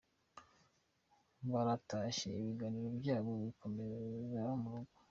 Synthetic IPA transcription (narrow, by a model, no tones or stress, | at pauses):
βaɾataʃḛiβiɡaniɾobjaːɡoβikʰo̞mezaomuɾuɡo